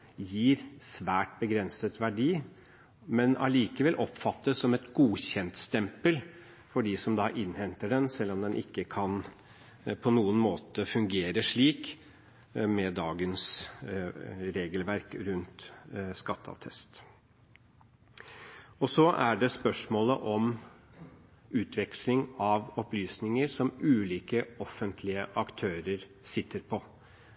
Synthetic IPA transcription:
jiːɾsʋæːʈbəɡɾɛnsət̪ʋæɖiː | mɛnɑ̰liːkəʋɛlʔɔpfɑt̪ːəsːɔmɛt̪ɡuːɕɛnt̪st̪ɛmpəl | fɔɖiːsɔmd̪ɑːʔɪnhɛnt̪əɖɛnsɛlːɔmd̪ɛnʔɪkːəkʰɑn | pʰɔnuːənmoːt̪əfʉŋɡeːɾəʂɭiːk | mɛd̪ɑːɡəns | ɾeːɡəlʋæɾkɾʉnt̪skɑt̪ʰːɑ̰t̪ʰɛst̪ | ɔsɔʔæɖɛspœʂmoːləʔɔm | ʉːt̪ʰʋɛkslɪŋɑʋɔplyːsnɪŋəɾsɔmʉːliːkəɔfːənt̪ʰlɪəʔɑkt̪ʰøːɾəɾ | sɪt̪ːəɾpʰɔ

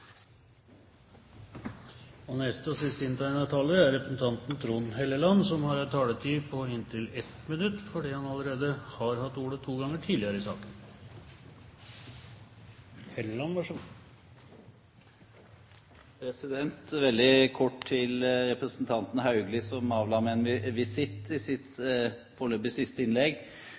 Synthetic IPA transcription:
ɔnɛst̪əɔsɪst̪ɪnt̪ʰæɪnɑt̪ʰɑːləɾæɾɾɛpɾəsn̩t̪ʰɑnt̪nt̪ʰɾuːnɦɛlːəlɑnsɔmhɑɾɑt̪ʰɑːlət̪ʰiːpʰɔɪnt̪ʰɪlɛt̪mɪnʉt̪ːfɔɖiːhɑnɑləɾeːd̪əhɑɾhɑt̪ːuːɽət̪ʰuːɡɑŋəʈʰiːd̪lɪəɾəɪsɑ̰ːkən | hɛləlɑnʋɑʂ | pʰɾɛsɪd̪ɛnt̪ʋɛld̪ɪkʰɔʈʰɪlɾɛpɾəsn̩t̪ʰɑnt̪n̩hɑʉɡlɪsɔmɑːʋlɑːmɛɛnʋɪʋɪsɪt̪ːɪsɪt̪ | pʰoːɭøːbɪsɪst̪əɪnlɛɡ

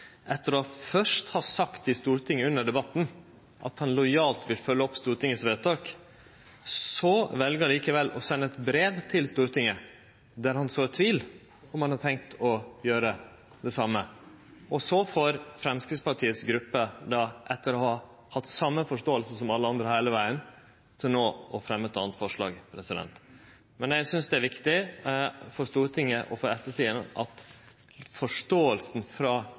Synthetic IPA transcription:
ʔɛt̪ːəɾɔhɑfœʂt̪hɑsɑkt̪ɪst̪uːɾt̪ʰɪŋːəʉnːəɖɛbɑt̪ːn̩ | ʔɑ̰t̪hɑnlɔʏjɑːlt̪ʋɪlfœlːəɔpːst̪uːɾʈ̪ɪŋəsʋeːt̪ɑːk | sɔʋɛlɡəɑliːkəʋɛlːɔsɛnːəɛt̪bɾeːʋt̪ʰɪlst̪uːɾt̪ɪŋːə | d̪æɾhɑnsoːɛt̪ʰːʋiːl | ɔmhɑnhɑʈʰɛŋk̚t̪ʰɔjøːɾə | d̪ɛsɑmːə | ɔsɔfoɾfɾɛmskɾɪɡ̪spɑʈʰiːət̪sɡɾʉpːəd̪ɑʔɛt̪ːəɾɔhɑ | hɑt̪ːsɑmːəfɔʂtoːəlsəsɔmɑlːəɑnd̪ɾəhæɪləʋæɪən | t̪ʰɪlnoːɔfɾɛmːət̪ːɑ̰ːnt̪fɔʂɭɑ̰ːɡpʰɾɛsɪd̪ɛ̰nt̪ | mɛnjæsʏnsd̪ɛæɾʋɪkt̪ɪ | fɔʂt̪uːɾət̪ʰɪŋːəʔɔfɔɾɛt̪ːəʈʰiːənʔɑt̪ | fɔʂʈoːəlsn̩fɾɑː

